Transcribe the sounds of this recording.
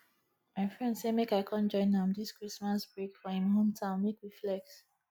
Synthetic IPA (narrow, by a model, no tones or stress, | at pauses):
maɪfɹɛ̃ndsemekaɪkʰãnd͡ʒɔ̃ɪ̃nhãmdiskɹismasb̥ɹekfɔhĩmhõmtʰãʊ̃nmekwiflɛk̚t